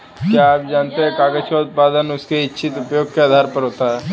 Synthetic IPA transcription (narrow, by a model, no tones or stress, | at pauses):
kjaaːp̚d͡ʒaːnt̪eɦɛ̃kaːɡəʃɔːt̪̚paːd̪ənʊskeɪtːʃʰɪt̪ʊpjoːɡ̚kead̪ʱaːɾpəɾɦoːt̪aɦɛː